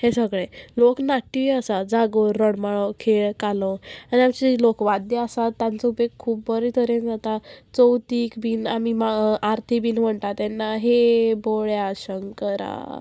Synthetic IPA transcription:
hesəɡɭeloknaʈːiəsad͡zaɡoɾːəɽmaɭokʰeɭkalɔ̃aniamt͡ɕilokʋad̪jəasat̪ːãnt͡səubeɡ̚kʰuːpbəɾit̪ʰəɾend͡zat̪at͡səwt̪iːkbiːnamimaaɾt̪ʰibiːnm̤əɳʈ̪at̪ɛnːaɦeboɭjaɕəŋkəɾa̰

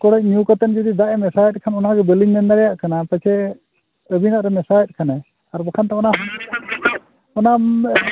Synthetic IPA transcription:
kɔɽɛc̚njukat̪ənd͡ʒɔd̪id̪aʔɛmɛsajɛt̪̚ˀkʰanɔnaɡɛbəliŋnɛnd̪aɾɛjaʔkanapət͡ʃʰɛ | əbinaʔɾɛmɛsajɛt̪̚kʰanɛ | aɾbɔkʰant̪ɛɔnaɦ | ɔna

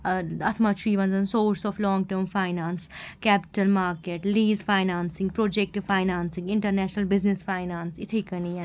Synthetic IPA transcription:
ɐt̪ʰmɐt̪ʃiːʋɐ̃nzɐnsoːɾsɔːflɔːŋɡʈəːɾmfʰaːɪnaːnskɛːpɪ̥ʈəlmaːɾkeːʈliːzfaːɪnaːnsɪ̃ŋɡ̚pɾoːd͡ʒek̚ʈfʰaːɪnaːnsɪ̃ŋɡɪ̃ɳʈəɾnɛːʃnəlbɪznɪsfaːɪnaːnsɪt̪ʰekɐniɛ

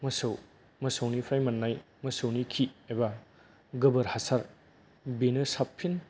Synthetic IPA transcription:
mɐsɐw | mɐsɐwnipʰajmɐnːaj | mɐsɐwnikʰieba | ɡɐbɐɾhasaɾ | benɯsapʰːin

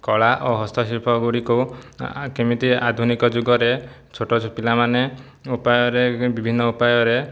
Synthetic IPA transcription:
kɔɭaʔoɦɔst̪ʰɔsiɾpʰɔɡuɽiku | kemit̪iad̪ʱunikɔd͡ʒuɡɔɾe | t͡ʃʰoʈɔt͡ʃʰupilamane | upajɔɾebibʱinːɔupajɔɾe

